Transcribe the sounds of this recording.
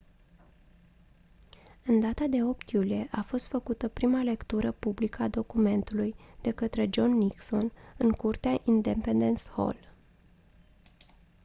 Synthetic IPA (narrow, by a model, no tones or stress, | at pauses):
ɨnd̪at̪ad̪e̞o̞p̚t̪julije̞ʔafo̞st̪fəkut̪əpɾimale̞kt̪uɾəpublikəad̪o̞kume̞nt̪ulujd̪̥e̞kət̪ɾe̞d͡ʒo̞nːikso̞nɨŋkurt̪eaʔind̪e̞mpend̪e̞nsho̞̰l